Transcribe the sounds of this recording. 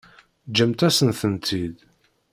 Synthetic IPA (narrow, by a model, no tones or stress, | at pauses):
d͡ʒːəmt̪æsənθənt̪ʰid̪